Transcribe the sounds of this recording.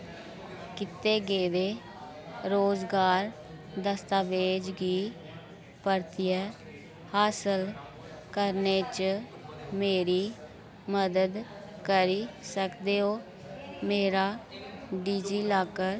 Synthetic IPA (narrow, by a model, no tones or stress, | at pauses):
kɪt̪eːɡeːʋeː | ɾoːzɡaːɾ | d̪əst̪aːʋeːd͡ʒɡiː | pəɾt̪iːɛː | haːsəl | kəɾneːt͡ʃ | meːɾiː | məd̪əd̪ | kəɾiːsəkd̪eːɦoː | meːɾaːɖiːd͡ʒiːlaːkəɾ